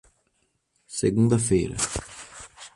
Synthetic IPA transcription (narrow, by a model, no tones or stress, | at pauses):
seɡũnd̪ɐfejɾɐ̰